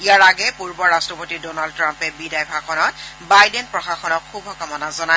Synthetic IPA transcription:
ijaɹaɡɛpuɹbɔɹastɹɔpotidonald̚tːɹampɛbidajbʱaxɔnɔt̚bajdɛnpɹɔxaxɔnɔkxubʱɔkɔmɔnazɔna

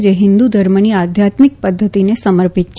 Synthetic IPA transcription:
d͡ʒeɦɪnd̪ud̪ʱəɾməniad̪ʱjat̪mik̚pəd̪ʱːət̪inesəməɾpit̪̚t͡ʃ

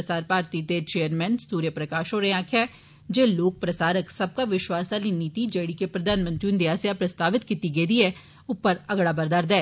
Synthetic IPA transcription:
əsaːɾpaːɾt̪it̪et͡ʃeːəɾmɛ̃ːnsuːɾjəpɾəkaːʃɦoːɾəɦãːkʰɛː | d͡ʒeːloːk̚pɾɐsaːɾəksɐb̚kaʋɪʃwaːsd̪alinit̪id͡ʒeːɽikepɾɐd̪ʱaːnmə̃nt̪ɾiund̪ɪjaːsjapɾɐst̪aːʋɪt̪kit̪iɡeːd̪iɛ | ʊpːəɾɐɡɽabəɾd̪aːɾd̪ɛ̃ː

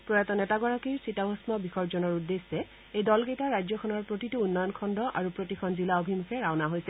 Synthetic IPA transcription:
pɹɔjɛtɔnɛtaɡɔɹakiɹsɹitaɦɔsmɔbixɔɹzɔnɔɹudːesːɛ | ejdɔlkejtaɹajzɔkʰɔnɔɹpɹotituunːɔjɔnkʰɔndɔʔaɹupɹotikʰɔnzilaobʱimukʰɛɹawnaɦojsɛ

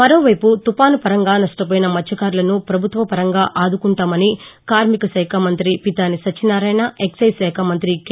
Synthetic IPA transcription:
mɐɾoːʋɐjput̪upaːnupɐɾɐŋɡaːnɐsʈɐpoːjinɐmɐt͡ʃːjɐkaːɾulɐnupɾɐbʱut̪ʋɐpɐɾɐŋɡaːʔaːd̪ukuɳʈaːmɐnikaːɾmikɐʃɐːkʰamɐnt̪ɾipit̪aːnisɐt͡ʃːinaːɾɐjnaʔeksɐjsɛːkʰamɐnt̪ɾik

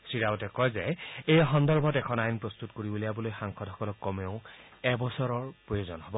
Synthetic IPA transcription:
sɹiɹautɛkɔjzɛejxɔndɔɹbʱɔtɛkʰɔnajnpɹɔst̪utkoɹibolijabɔlojxaŋkʰɔdʱɦɔkɔlɔkːɔmeʊɛbɔsɔɹɔɹpɹojozɔnɦɔbɔ

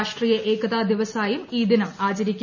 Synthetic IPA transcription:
ʂʈrijɐʔeːkʰɐðaːd̪iʋɐsaːjumiːd̪inɐmaːt͡ɕɐɾikʲː

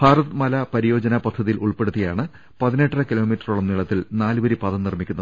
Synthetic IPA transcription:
bʱaːrɐt̪ɨmɐlɐpɐɾijo̞ːd͡ʑɐnɐpɐd̪ʱːɐðijilʔuɭpe̞ɽut̪ːijaːɳɨ | pɐðineʈːrɐkilo̞ːmitːɐruɭɐmniɭɐt̪ːilnaːlɨʋɐɾipɐðɐmnirmikʲːunːɐðɨ

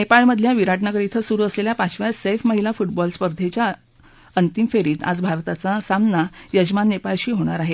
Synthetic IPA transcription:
nepaɭməd̪ʱːjaʋiɾaʈnakəɾit̪ʰəsuɾuːəsleljapat͡ɕʋjasefməɦilafuʈbɔlspəɾd̪ʱet͡ɕja | ənt̪imfeɾiːt̪a̰d͡zbʱaɾt̪at͡sasamnajəd͡ʑmanːepaɭɕiːɦoɽ̃aɾaɦe

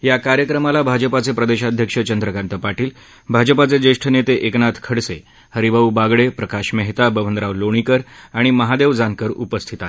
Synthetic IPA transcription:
jakaɾjəkɾəmalabʱad͡ʑəpat͡sepɾəd̪eɕad̪ʱjəkʂət͡ɕənd̪ɾəkant̪əpaʈiːl | bʱad͡ʑəpat͡sed͡zeʂʈʰənet̪eʔeknat̪ʰkʰəɽse | həɾibaubaɡɭepɾəkaɕmɛɦt̪abəʋənd̪ɾaʋloɽ̃ikəɾaɽ̃iməɦad̪eʋd͡zankəɾṵpəst̪ʰit̪a

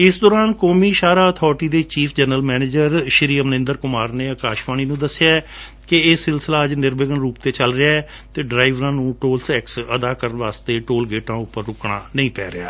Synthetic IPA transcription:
ɪsd̪ɔːɾaːnkoːmiːʃaːɾaːət̪ʰɔːɾʈiːd̪eːt͡ʃiːpʰd͡ʒɛnəlmɛːneːd͡ʒəɾʃɪɾiːəmnɪ̃nd̪əɾkʊmaːɾneːəkaːʃʋaːñiːnũːd̪əsːɪjaːɛ | kɪeːsɪlsəlaːəd͡ʒnɪɾbəɡənɾuːp̚t̪eːt͡ʃəlɾɪaːɛː | t̪eːɖɾaːɪʋɾãːnũːʈoːlsɛːksəd̪aːkəɾənʋaːst̪eːʈoːlɡeːʈãːʊpːəɾːʊkɳa̰ːnəĩːpɛːɾɪja̰ː

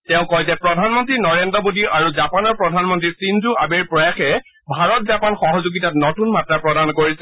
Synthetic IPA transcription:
tɛʊ̃kɔjzɛpɹɔdʱanmɔntɹinɔɹendɹɔbodiʔaɹuzapanɔɹpɹɔdʱanmɔntɹisinzua̰beɹpɹɔjaxɛ | bʱaɹɔt̚zapanxɔɦɔzuɡitatnotunmatɹapɹɔdankoɹisɛ

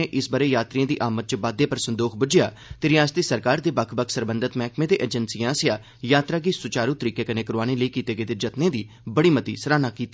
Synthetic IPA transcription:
eːʔɪsbaɾeːjaːt̪ɾijãːd̪ḭːʔaːmət̪̚t͡ʃbaːd̪eːpəɾsənd̪oːkʰbʊd͡ʒɪja̰ː | t̪eːɾɪjaːst̪eːsəɾkaːɾd̪eːbəkʰbəkʰsəɾbə̃nd̪ət̪mɛːkmẽːd̪eːʔeːd͡ʒənsiːãːsɪjaː | jaːt̪ɾaːɡiːsʊt͡ʃaːɾuːt̪əɾiːkeːkəneːkəɾoaːneːləiːkiːt̪eːɡeːd̪eːd͡ʒət̪nẽːd̪iː | bəɽiːmət̪ḭːsəɾaːnaːkiːt̪ː

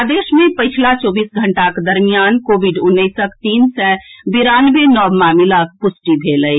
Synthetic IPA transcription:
aːd̪eːʃmẽpəɪt͡ʃʰlat͡ʃɔːbiːsɡʱəɳʈakd̪əɾmijaːnkoːʋiɖʊnːəɪsəkt̪iːnsɛbiɾaːnʋenɔːmaːmɪlak̚pʊsʈib̪ʱeːləi

